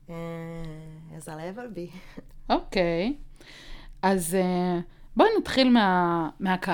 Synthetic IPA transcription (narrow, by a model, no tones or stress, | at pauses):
e | azalevelbiokej | aze | bonat̪χilmeameaka